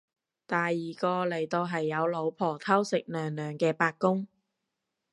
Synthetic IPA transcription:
t̪aː˨jːiː˨˩kɔː˧lɐ˨˩jt̪o˧wɦɐ˨jːɐ˨˧wlo˨˧wpʰɔː˨˩t̪ʰɐ˥wsɪ˨k̚nœː˨˩ŋnœː˨˩ŋkɛː˧paː˧k̚kːʊ˥ŋ

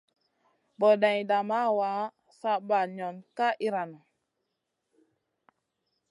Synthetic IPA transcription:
bo˨dã˨jda˨ma˦wa˨˦ | sa˦ba˨ɲɔ˨nka˦ʔi˦ɾa˨no˨

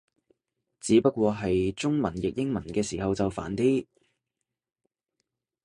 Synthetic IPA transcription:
t͡siː˨˥pɐ˥t̚kʷɔː˧ɦɐ˨jt͡sʊ˥ŋmɐ˨˩njɪ˨k̚jɪ˥ŋmɐ˨˩nkɛː˧siː˨˩ɦɐ˨wt͡sɐ˨wfa̰ː˨˩nt̪iː˥

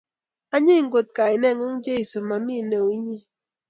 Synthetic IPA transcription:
a˦ɲɪ˦˨ŋɡo˨t̚ka˨ɪ˨nɛ˦˨ŋo˦ŋd͡ʒe˦i˨so˨ma˨mi˦˨ne˨wi˦ɲi˦

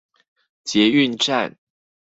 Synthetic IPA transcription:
t͡ɕjɛ˨˥y˥˧nʈ͡ʂa˥˩n

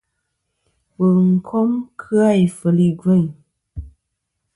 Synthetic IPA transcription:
wə˨ŋ̩˨kʰɔ˦mkʰɨ˦a˦˨jfə˨li˦˨ɡwe˦˨ɲ

